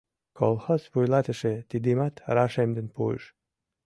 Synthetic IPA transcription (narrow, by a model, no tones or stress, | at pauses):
kʰolˠhosβujlɑt̪ə̆ʃet̪id̪imɑt̪ɾɑʃemd̪ənpuḛʃ